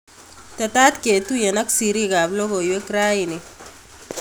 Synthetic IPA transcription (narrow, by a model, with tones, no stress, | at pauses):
t̪ɐtaː˦t̪ke˨t̪uje˨na˦ksi˨ɾi˦ka˨blo˦ko˨jwe˦kɾa˦ini